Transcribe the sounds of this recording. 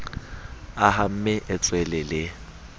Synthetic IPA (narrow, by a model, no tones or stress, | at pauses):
aɦam̩mɪʔɪt͡sʼwɛlɛlɪ